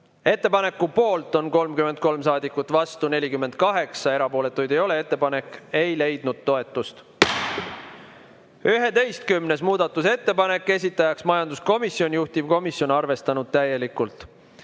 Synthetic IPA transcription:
e̞t̪ˑːe̞pɑne̞kːupo̞ːlt̪ˑo̞nko̞lmkymend̪̚ko̞lmsɑːd̪ikːut̪ːˑvɑst̪une̞lʲikymːen̥̚kɑɦe̞ksɑe̞ɾɑpo̞ːle̞t̪ːˑujd̪̥e̞jo̞le̞e̞t̪ˑːe̞pɑne̞kːˑe̞jle̞jd̪̥̚nud̪̥̚t̪ːo̞e̞t̪ːˑust̪ | yɦe̞t̪e̞jst̪kymne̞smuːd̪ɑt̪ːˑuse̞t̪ːe̞pɑne̞kːˑe̞sʲit̪ːˑɑjɑksmɑjɑnd̪usko̞misio̞nʲjuht̪ivko̞misjo̞nɑrve̞st̪ɑnud̪̥̚t̪æje̞likːˑult̪ˑ

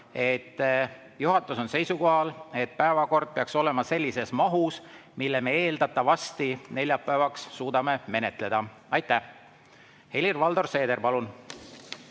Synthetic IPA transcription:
e̞t̪ː | juɦɑt̪ːˑuso̞nse̞jsuko̞ɦɑle̞t̪̚pæe̞vɑko̞rd̪̥̚peɑkso̞le̞mɑse̞lʲːise̞smɑɦusmilːeme̞e̞ːld̪̥ɑt̪ːˑɑvɑst̪ine̞lʲjɑpːˑæevɑksːuːd̪̥ɑme̞me̞ne̞t̪ˑle̞d̪̥ɑ | ɑjt̪ːˑæh | he̞lirvɑld̪o̞rse̞ːd̪e̞ɾpɑlun

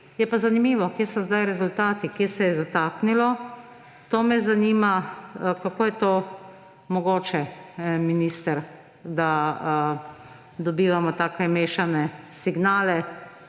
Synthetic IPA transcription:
jɛpazanimiːʋɔkjeːsɔzd̪ajɾɛzʊlt̪aːt̪ikjeːsɛjɛzat̪aːknilɔ | t̪oːmɛzaniːmakakoːjɛt̪oː | mɔɡoːt͡ʃɛminiːst̪əɾ | d̪a | d̪ɔbiːʋamɔt̪aːkɛmeːʃanɛsiɡnaːlɛ

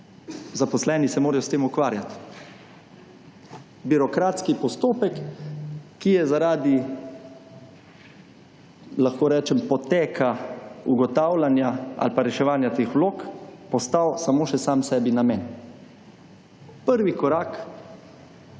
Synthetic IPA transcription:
zapɔslɛːnisɛmoːɾajɔst̪eːmukʋaːɾjat̪ | biɾɔkɾaːt̪skipɔst̪oːpɛkː | ijɛzaɾaːd̪i | laxkoːɾɛːt͡ʃɛmpɔt̪eːkʰauɡɔt̪aːwlanjaa̰lpaɾɛʃɛʋaːnjat̪eːxʋloːkpɔst̪awsamoːʃɛsamsɛːbinamɛːn | pəɾʋikɔɾaːk

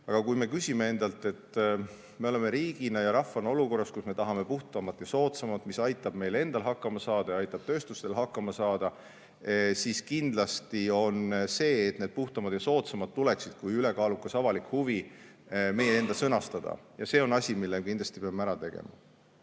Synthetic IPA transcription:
ɑɡ̥ɑkujme̞kysʲime̞e̞nd̪̥ɑlt̪ːˑe̞t̪ˑː | me̞o̞le̞me̞ɾiːɡ̥inɑjɑɾɑfːɑnɑo̞luko̞rːɑskusme̞t̪ɑɦɑme̞puht̪ɑmɑt̪ːjɑso̞ːt̪sɑmɑt̪misɑjt̪ːˑɑb̥me̞jle̞nd̪̥ɑlɦɑkːˑɑmɑsɑːd̪ɑjɑɑjt̪ːˑɑb̥̚t̪ø̞ːst̪ust̪e̞lɦɑkːˑɑmɑsɑːd̪̥ɑ | siskind̪lɑst̪io̞nse̞ːt̪ne̞d̪̚puht̪ɑmɑd̪jɑso̞ːt̪sɑmɑt̪̚ːuleksid̪̥kujyle̞kɑːlukːˑɑsɑvɑlikhuvi | me̞jee̞nd̪̥ɑsɤ̞nɑst̪ɑd̪̥ɑ̰jɑse̞o̞nɑsʲimilːekind̪lɑst̪i̥peɑmæɾɑt̪e̞ɡ̥ḛmɑ̰

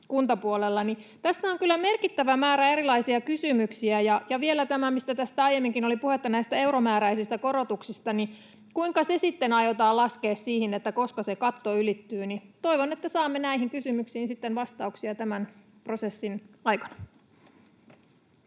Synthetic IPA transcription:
kunt̪ɑpuolelːɑnit̪æsːæoŋkylːæme̞rkit̪ːæʋæmæːɾæeɾilɑisiɑkysymyksiæjɑjɑʋielæt̪æmæmist̪æt̪æst̪æɑjemːiŋkinolipuhet̪ːɑnæist̪æe̞uromæːɾæisist̪ækoɾot̪uksist̪ɑni | kuiŋkɑsesit̪ːenɑjot̪ɑːlɑske̞ːssiːhinet̪ːæko̞skɑsekɑt̪ːoylit̪ːyːnit̪oiʋonet̪ːæsɑːmːenæiɦiŋkysymyksiːnsit̪ːenʋɑst̪ɑuksiɑt̪æmæn | pro̞sesːinɑjkɑnɑ

